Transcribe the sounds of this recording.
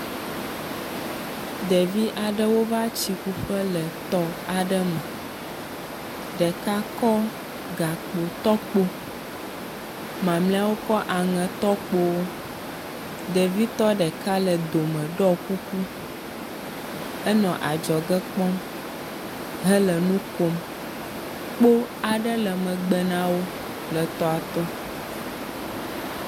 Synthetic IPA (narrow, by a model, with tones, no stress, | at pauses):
d̪ɛ˨vi˦ʔa˨ɖə˦wo˦va˦t͡ɕi˨ku˦ɸə˦lə˨t̪ɔ˦a˨ɖə˦mɛ̃˨ | ɖɛ˨ka˦kɔ˦ | ɡa˨k͡po˨t̪ɔ˦k͡po˦ | mã˨mlɛ̃˦a˦wo˦kɔ˦ʔa˨ŋɛ̃˨t̪ɔ˦k͡po˦w | d̪ɛ˨vi˦t̪ɔ˦ɖɛ˨ka˦lə˨d̪o˨mɛ̃˨ɖɔ˦ku˦ku˦ | ɛ˦nɔ̃˨ʔa˨d͡ʒɔ˨ɡɛ˦k͡pɔ˦m | ɦɛ˦lə˨nũ˦ko˦m | k͡po˦a˨ɖə˦lɛ˨mɛ̃˨ɡ͡bɛ˨nã˦wo˦ | lə˨t̪ɔ˦a˨t̪ɔ˦